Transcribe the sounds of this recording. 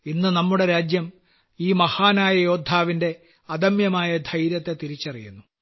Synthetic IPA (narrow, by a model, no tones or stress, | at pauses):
inːɨnɐmːuɽe̞ɾaːd͡ʑjɐm | iːmɐhaːnaːjɐjo̞ːd̪ʱːaːʋinde̞ | ɐd̪ɐmjɐmaːjɐd̪ʱɐjɾjɐt̪ːe̞t̪iɾit͡ɕːɐrijṵnːu